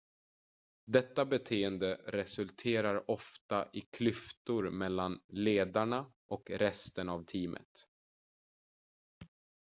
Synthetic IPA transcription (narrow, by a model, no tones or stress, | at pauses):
d̪ɛt̪ːabɛt̪ʰeːənd̪əɾɛsɵlt̪ʰeːɾaɾɔft̪aʔɪkʰlʏft̪ʊɾmɛlːanleːd̪aɳa | ʔɔkɾɛst̪ənavt̪ʰiːmʔə̰t̪